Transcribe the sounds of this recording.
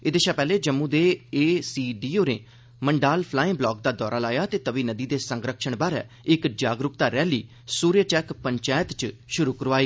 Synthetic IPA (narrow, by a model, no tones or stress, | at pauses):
ɪd̪eːʃaːpɛːleːd͡ʒəmːũːd̪eːeːsiːɖiːoːnḛː | məɳɖaːlpʰlaːɪ̃ːblɔːk̚d̪aːd̪ɔːɾaːlaːjaːt̪eːt̪əʋiːnəd̪iːd̪eːsəŋɡɾəkʃəɳbaːɾɛ̰ː | ɪkd͡ʒaːɡɾʊkt̪aːɾɛːliː | suːɾjəʈɛːkpəɲt͡ʃaːjət̪t͡ʃʃʊɾuːkəɾʋaːiː